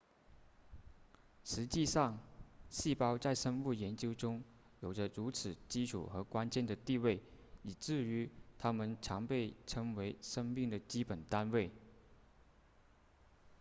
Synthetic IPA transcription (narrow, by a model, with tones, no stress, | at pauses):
ʂɻ̩˧˥t͡ɕi˥˧ʂɑ˥˩ŋɕi˥˩pɑ˥ʊt͡sa˥˩ɪʂə˥nu˥˩jɛ˧˥nt͡ɕjo˥ʊʈ͡ʂʊ˥ŋ | jo˨˩ʊʈ͡ʂə˦ɻu˧˥t͡sʰɹ̩˨˩t͡ɕi˥ʈ͡ʂʰṵ˨˩xɤ˧˥kwa˥nt͡ɕjɛ˥˩nd̪ə˩t̪i˥˧we˥˩ɪi˨˩ʈ͡ʂɻ̩˥˩y˧˥t̪ʰa˥mə˨nʈ͡ʂʰɑ˧˥ŋpe˥˩ɪʈ͡ʂʰɤ˧˥ŋwe˧˥ɪʂɤ˥ŋmi˥˩ŋd̪ə˩t͡ɕi˥pə˨˩nt̪a˥nwe˥˩ɪ